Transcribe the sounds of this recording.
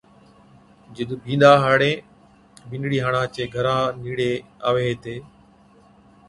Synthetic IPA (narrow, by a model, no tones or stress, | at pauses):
d͡ʒɪɗ̪ʊbʱĩːnd̪aːɦaːɽẽː | ɓɪnɽiːɦaːɳãːt͡ʃeːɡʱəɾãːniːɽeːaːʋeːt̪eː